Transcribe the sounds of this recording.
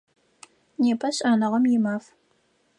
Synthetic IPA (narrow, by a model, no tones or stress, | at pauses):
neːpʰɐɕʼaːnɨʁɐmjɪmaːf